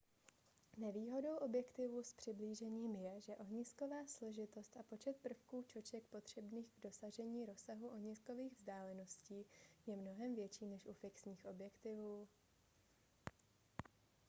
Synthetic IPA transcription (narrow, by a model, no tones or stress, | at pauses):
nɛviːɦo̞do̞wʔo̞bjɛkt̪ɪvuspr̥ɪbliːʒɛɲiːmjɛʒɛʔo̞ɦɲɪsko̞vaːslo̞ʒɪt̪o̞st̪ʔapo̞t͡ʃɛt̪̚pr̩fkuːt͡ʃo̞t͡ʃɛkpo̞t̪r̝̥ɛbniːɣɡdo̞saʒɛɲiːɾo̞saɦuʔoɦɲɪsko̞viːɣvzdaːlɛno̞sciːjɛmno̞ɦɛmvjɛt͡ʃiːnɛʃʔufɪksɲiːxʔo̞bjɛkt̪ɪvuː